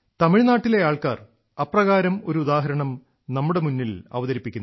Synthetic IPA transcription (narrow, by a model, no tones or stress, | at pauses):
t̪ɐmiɻnaːʈːile̞jaːɭkaːr | ɐprɐɣaːɾɐmo̞ɾuud̪aːɦɐɾɐɳɐm | nɐmːuɽe̞munːilɐ̰ʋɐðɐɾipːikʲːunː